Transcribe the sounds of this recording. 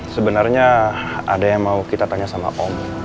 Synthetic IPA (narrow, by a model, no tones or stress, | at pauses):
səbənarɲaa̰dajaŋmaukit̪at̪aɲasama̰ʔɔmɔ